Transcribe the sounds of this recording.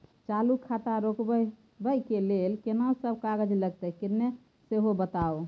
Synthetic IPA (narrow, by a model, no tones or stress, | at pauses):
t͡ʃalukʰːat̪aɾokbə | bəjkelelkenaosəb̚kaɡəd͡ʒləɡt̪ɛkiɾne | seɦobət̪ao